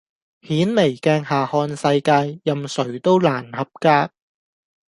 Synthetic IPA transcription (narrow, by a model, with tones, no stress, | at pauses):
hiː˨˥nme˨˩jkɛː˧ŋhaː˨hɔː˧nsɐ˧jkaː˧jːɐ˨msɵ˨˩ɥt̪o˥wlaː˨˩nhɐ˨p̚kaː˥k̚